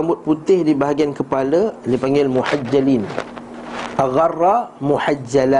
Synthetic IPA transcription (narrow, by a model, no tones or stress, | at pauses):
ambʊt̪̚put̪ɪhdibaɦaɡiankəpalalipaŋɡɪlmuhad͡ʒːalin | ʔaɣarːamuħad͡ʒala